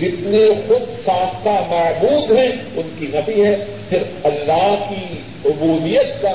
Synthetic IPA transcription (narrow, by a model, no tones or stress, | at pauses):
d͡ʒɪt̪nexʊd̪sãːst̪amɐːbuːd̪ɦɛ̃ʊnkinɐbiɦɛ | pʰɪɾ | ɐlːaːɦki | ʊbuːd̪ijət̪ka